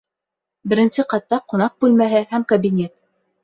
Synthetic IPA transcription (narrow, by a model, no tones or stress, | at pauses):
bɘ̆ɾɘ̆nsɘqɑt̪ːɑqŏnɑq̚bʉlmæɦɘhæmkɐbʲinʲet̪